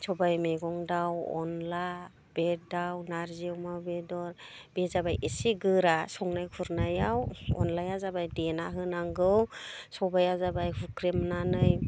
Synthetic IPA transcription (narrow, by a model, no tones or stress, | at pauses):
sɔbajmeɡɔŋdawɔ̰nla | b̥edawnaɾziwmabedɔɾb̥ezabajesiɡɯɾasɔŋnajkʰuɾnajawɔ̰nlajazabajdenaɦɯnaŋɡɯwsɔbajazabajhukɾemnanɯj